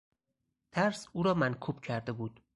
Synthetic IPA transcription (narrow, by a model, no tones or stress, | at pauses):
t̪ʰæɾsuːɾɒːmænkʰuːb̥cʰæɾd̪e̞buːd̪̥